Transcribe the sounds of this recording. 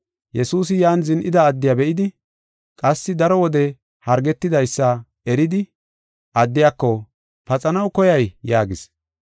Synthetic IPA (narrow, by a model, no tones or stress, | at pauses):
jɛsuːs̬ɪjaːnzɪnʔɪd̪ɐːd̪ːɪjabɛʔɪd̪ɪ | kʼɐsːɪd̪ɐɾɔwɔd̪ɛ | hɐɾɡɛt̪ːɪd̪ɐjsːɐ | ɛɾɪd̪ɪ | ʔɐd̪ːɪjaːkːɔ | pɐt͡sʼɐnɐwkɔjɐjjaːɡɪs